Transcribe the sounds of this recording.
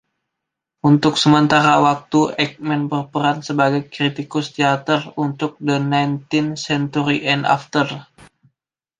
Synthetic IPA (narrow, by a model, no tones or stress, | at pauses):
unt̪ʊksəmənt̪aɾawak̚t̪uɛk̚mɛnbərpəɾansəbaɡajkɾit̪ikʊst̪iat̪ərunt̪ʊk̚dənajnt̪insɛnt̪uɾiʔɛna̰ft̪ər